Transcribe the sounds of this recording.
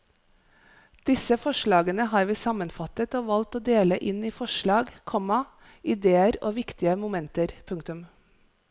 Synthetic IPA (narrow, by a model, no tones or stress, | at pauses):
d̪̥ɪsəfɔʃɭɑːɡənəhɑːɾʋiːsɑmənfɑt̪ət̪oːʋɑlt̪oːd̪eːləʔɪniːfɔʃɭɑːɡkʰɔmɑ | ʔɪd̪eːəɾo̰ːʋɪkt̪ɪəmʊmɛnt̪əɾpʰʉŋkt̪ʉm